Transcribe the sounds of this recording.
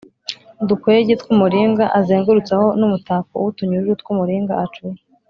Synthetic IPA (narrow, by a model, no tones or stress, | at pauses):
dukweɟetkumuɾiːŋɡaʔazeːŋɡuɾut͡saho̞numutaːkowutuɲuʒut̚kumuɾiːŋɡa̰at͡ʃuj